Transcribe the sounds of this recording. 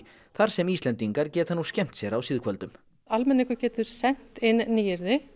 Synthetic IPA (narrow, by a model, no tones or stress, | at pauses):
θaɾ̥sɛmiːstlɛnt̪iŋkaɾcɛːt̪hanːuscɛm̥t̪sjɛɾawsɪːðkʰvœlt̪ʏm | almɛnːɪkʏcɛːt̪ʏɾ̥sɛn̥t̪ɪnːiːjɪɾðɪ